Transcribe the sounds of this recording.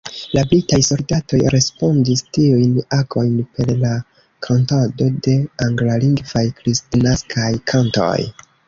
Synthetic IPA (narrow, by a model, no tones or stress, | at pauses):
lablitajso̞ldato̞jɾe̞spo̞ndistiujnaɡo̞jnpe̞ɾla | kʰantado̞de̞aŋɡlaliŋɡvajkɾistinaskʰajkʰanto̞̰j